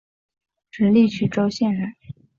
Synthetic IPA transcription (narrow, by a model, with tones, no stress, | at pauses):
ʈ͡ʂɻ̩˧˥li˥˩t͡ɕʰy˥˩ʈ͡ʂo˥ʊɕjɛ˥˩nɻə˧˩˦n